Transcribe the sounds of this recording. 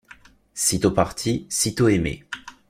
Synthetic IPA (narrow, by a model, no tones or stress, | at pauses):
sit̪opaʁt̪ʰisit̪oemḛ